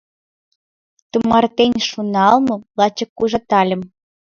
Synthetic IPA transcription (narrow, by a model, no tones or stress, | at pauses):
t̪umɑrt̪enʲʃunɑlˠmɤ̆lˠɑt͡ɕɤ̆kːuʒɤ̆t̪ɑlʲə̆m